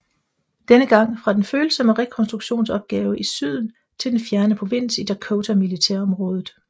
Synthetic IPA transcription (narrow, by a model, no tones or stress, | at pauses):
d̥enəɡ̥ɑ̈ŋ̰fʁɑ̈d̥enføːl̩sɒ̽məʁɛkʰɒ̽nsd̥ʁuɡ̥ɕo̝̰ːnsɒ̽b̥̚ɡ̥ɛːʊəʔisyð̞̰ˠn̩ | t͡sʰe̝ld̥enfjæɐnəpʰʁoʋe̝n̰sid̥ækʰoʊt͡sʰæmilit͡sʰɛɐ̰ɒ̽mʁɔ̽ːð̞ˠð̩ˠ